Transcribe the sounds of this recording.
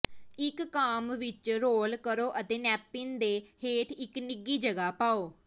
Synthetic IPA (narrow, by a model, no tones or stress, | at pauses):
ɪkːaːmʋɪt͡ʃɾoːlkəɾoːʔət̪eːnɛːpːɪnd̪eːheːʈ̪ʰɪknɪɡːiːd͡ʒəɡaːpaːoː